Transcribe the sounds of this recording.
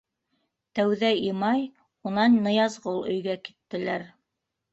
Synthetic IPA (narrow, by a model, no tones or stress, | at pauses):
t̪æwðæimɑj | unɑnːɤ̆jɑzʁɤlˠɵ̆jɡæki̥t̪ːɘ̆læɾ